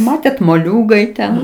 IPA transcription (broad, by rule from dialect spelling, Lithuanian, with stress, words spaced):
ˈmɑːtʲeːt moːˈlʲuːɡɐɪ ˈtʲɛn